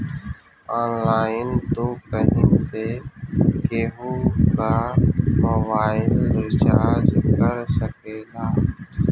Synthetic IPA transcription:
aːnlaːɪnt̪oːkəɦẽːseːkeːɦoːkaːmoʋaːɪlɾɪt͡ʃaːd͡ʒkəɾsəkeːlaː

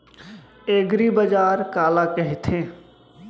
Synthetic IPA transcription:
eːɡɾibəd͡ʒaːɾkaːlakəɦit̪ʰẽ

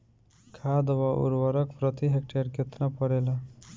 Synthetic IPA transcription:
kʰad̪waʔṵɾwʌɾʌkpɾʌt̪iɦek̚ʈeɾket̪napʌɾelʌ

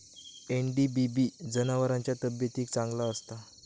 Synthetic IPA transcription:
enɖibibid͡zənaʋəɾaɲt͡ɕjat̪əbjət̪iːk̚t͡sãŋɡlaəst̪a

